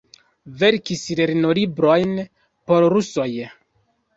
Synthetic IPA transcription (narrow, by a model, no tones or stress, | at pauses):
ve̞ɾkisɾeɾinolibɾo̞jn | po̞ɾɾuso̞j